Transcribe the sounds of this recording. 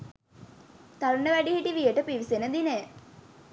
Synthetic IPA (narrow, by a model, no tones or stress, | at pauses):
t̪aɾuɳəʋæɖihiʈiʋijəʈəpiʋisenəd̪ineː